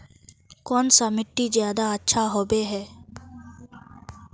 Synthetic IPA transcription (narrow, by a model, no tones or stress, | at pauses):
kɔːnsamɪʈːizjaːd̪aətːʃʰaɦoːbeːɦɛː